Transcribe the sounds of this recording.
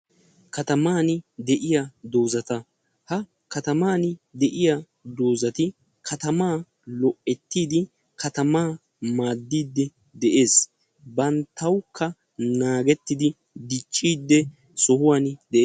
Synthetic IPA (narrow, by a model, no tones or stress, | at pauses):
kɐt̪ɐmaːnd̪ɛʔɪjad̪o̞ːzɐt̪ɐ | hɐ | kɐt̪ɐmaːnd̪ɛʔɪja | d̪o̞ːzɐt̪ɪ | kʰɐt̪ɐmaː | lɔʔːɛt̪ːiːd̪ɪ | kʰɐt̪ɐmaː | maːd̪ːiːd̪ːɛ | d̪ɛʔe̞ːs | bɐnt̪ːɐwkːɐ | naːɡɛt̪ːɪd̪ɪ | d̪ɪt͡ʃʼːiːd̪ːɛ | sɔhʊwaːnd̪ɛʔeː